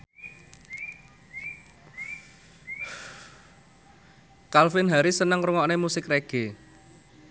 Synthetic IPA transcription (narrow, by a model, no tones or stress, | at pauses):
kalfɪnɦaɾisənəŋɾuŋɔnemusɪkreɡ̥e